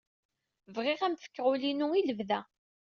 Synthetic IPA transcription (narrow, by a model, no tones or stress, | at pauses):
vʁɪʁæmfə̥kːʁulinuiləvðæ